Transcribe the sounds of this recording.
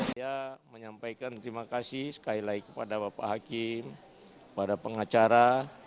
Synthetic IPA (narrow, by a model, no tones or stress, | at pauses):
jaməɲampajkant̪əɾimakasɪhsə̥kailaikəpadabapa̰ɦakɪm | kəpadapəŋat͡ʃaɾa